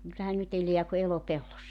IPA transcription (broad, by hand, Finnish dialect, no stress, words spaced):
kylːæhæn nyt ele̝æ ku elopelːosːɑ